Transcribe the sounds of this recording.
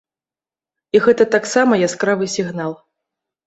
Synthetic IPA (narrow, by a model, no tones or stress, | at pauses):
iɣɛt̪ɐt̪aksamɐjaskɾavɨsʲiɣnalˠ